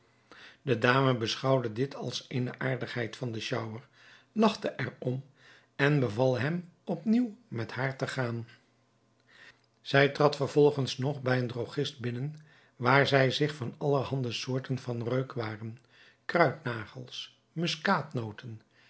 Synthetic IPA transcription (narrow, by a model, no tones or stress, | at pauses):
dədaːməbəsχɑwdədɪtʰɑ̰lˠsenəʔaːɹdəχɦɛjtfɑndəʃʌwəɹ | lɑχtəʔɛɹɔm | ɛnbəvɑlˠɦɛmɔpniwmɛthaːɹtəχaːn | z̥ɛjtrɑtfəɹv̥ɔlˠχənsnɔχbɛjəndroχɪst̚bɪnən | ʋaːɹzɛjzɪχfɑnɑləhɑndəsʊːɹtənvɑnrøɥkʋaːrən | krœɥtnaːχəlˠs | mʏskaːtnowtən